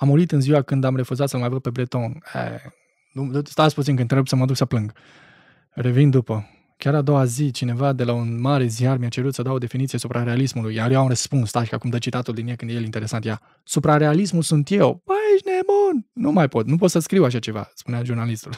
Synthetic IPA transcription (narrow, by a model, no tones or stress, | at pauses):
amuɾit̪ɨnziwakɨnd̪amre̞fuzat̪səlmajvəd̪̚pe̞bɾle̞t̪o̞nḛ | nust̪asput̪sinŋk̬ɨnɾebujsəməad̪uksəplɨŋɡ | re̞vind̪upə | kʲaɾad̪o̞wazit͡ʃine̞vad̪e̞launmaɾe̞ziarmiat͡ʃe̞ɾut̪səd̪ao̞d̪e̞finit̪sije̞supɾaɾe̞alismulujjaɾjewaunrəspunst̪aʃikakumd̪ət͡ʃit̪at̪uld̪injekɨnd̪jelint̪eɾe̞sant̪ja | supɾaɾe̞alismulsunt̪je̞wbaeʃnemunnumajpo̞t̪nup̬ot̪səskɾiwaʃ̬at͡ʃe̞va̰spuneaʒurnalist̪ul